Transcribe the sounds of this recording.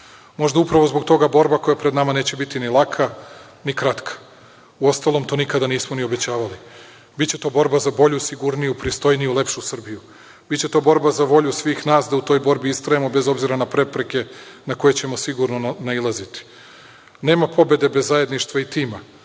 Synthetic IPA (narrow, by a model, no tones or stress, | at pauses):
mo̞ʒd̪aupɾaʋo̞zbo̞ɡt̪o̞ɡabo̞ɾbako̞japɾed̪namane̞ːt͡ɕe̞bit̪inilˠakʰa | nikɾat̪kʰḁ | uo̞st̪alo̞mt̪o̞ːnikad̪aniːsmonio̞be̞t͡ɕaːʋali | bitt͡ɕe̞t̪o̞ːbo̞ɾbazabo̞ʎusiɡuɾnijupɾist̪o̞jnijule̞pʃusr̩biju | bitt͡ɕe̞t̪o̞ːbo̞ɾbazaʋo̞ʎusʋiːxnaːsd̪aut̪o̞ːjbo̞ɾbiist̪ɾajemo̞be̞zo̞bziɾanapɾe̞pɾe̞ke̞nako̞je̞t͡ɕe̞mo̞siɡuɾno̞nailˠazit̪i̥ | ne̞ːmapʰo̞be̞d̪e̞bezːaje̞d̪niʃt̪ʋait̪iːma